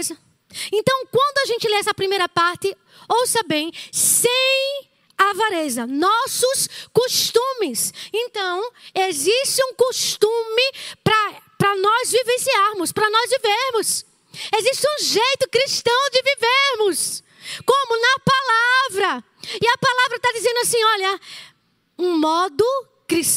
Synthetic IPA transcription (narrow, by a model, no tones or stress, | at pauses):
zɐ | ẽnt̪ɐ̃w̃kwɐ̃nd̪ʊaʒẽnt͡ʃɪleɛsɐpɾimejɾɐpaɾt̪ɪ | owsɐbẽj̃sẽj̃ | avaɾezɐnɔsʊskoʃt̪ũmɪsẽnt̪ɐ̃w̃eziʃt͡ʃɪũkoʃt̪ũmɪpɾɐpɾɐnɔzvivẽsiaɾmʊspɾɐnɔzviveɾmʊs | eziʃt͡ʃɪũʒejt̪ʊkɾiʃt̪ɐ̃w̃d͡ʒɪviveɾmʊs | kõmʊnɐpalavɾɐ | ɪɐpalavɾɐt̪ad͡ʒizẽnd̪asĩɔʎɐ | ũmɔd̪ʊ | kɾiʃ